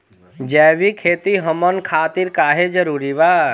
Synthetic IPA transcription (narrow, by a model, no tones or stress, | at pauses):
d͡ʒɛːʋikʰeːt̪iɦəmənkʰaːt̪iɾkaːɦed͡ʒəɾuːɾibaː